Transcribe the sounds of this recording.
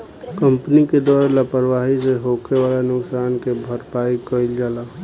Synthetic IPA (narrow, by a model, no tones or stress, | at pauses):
kəmpniked̪waːɾlapəɾʋaɦiseɦokʰewalanʊksaːnkebʱəɾpaikəild͡ʒaːla